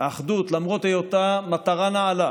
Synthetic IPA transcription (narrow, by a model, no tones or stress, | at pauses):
aχd̪ut̪lamʁot̪ejot̪amat̪aʁanaːla